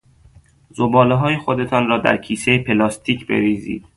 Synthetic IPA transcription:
zobɒːleɦɒːjexo̞d̪et̪ʰɒːnrɒːd̪æ̰ɾcʰiːsejepʰe̞lɒːst̪ʰiːcʰbḛviːzḭːd̪̥

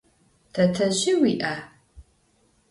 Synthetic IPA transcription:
tʰɐtʰɐʑɪwiːʔa

